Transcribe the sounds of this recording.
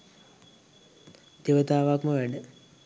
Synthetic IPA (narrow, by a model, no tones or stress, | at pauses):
d̪̥iʋət̪aːʋakməʋæɖə